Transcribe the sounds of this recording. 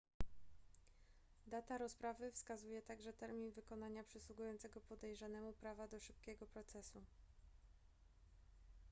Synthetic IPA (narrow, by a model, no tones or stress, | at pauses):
d̪at̪aɾɔspɾavɘfskazujɛt̪aɡʐɛt̪ɛɾmʲinvɘkɔnaɲapʂɘswuɡujɔnt̪sɛɡɔpɔd̪ɛjʐanɛmupɾavad̪ɔʂɘp̚kʲɛɡɔpɾɔt̪sɛsu